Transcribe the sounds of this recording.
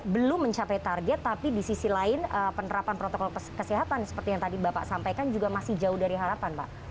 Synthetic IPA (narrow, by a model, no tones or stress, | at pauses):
bəlʊmːəɲt͡ʃapajt̪arɡɛt̪ːapidisisilaɪnəpənəɾapanpɾot̪okɔlkəsiɦat̪ansə̥pərt̪ijaŋt̪adibapa̰ʔsampajkand͡ʒuɡamasɪhd͡ʒaʊhdaɾiɦaɾapanpa̰ʔ